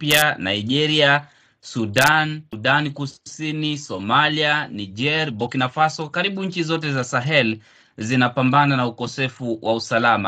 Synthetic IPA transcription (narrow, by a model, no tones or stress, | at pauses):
piana̰iʄɛɾia | suɗanuɗankusinisɔmalianid͡ʒɛɾbɔkinafasɔkaɾiɓuɲ̩t͡ʃizɔt̬ɛzasaɦɛl | zinapambananaukɔsɛfuwʔausalama̰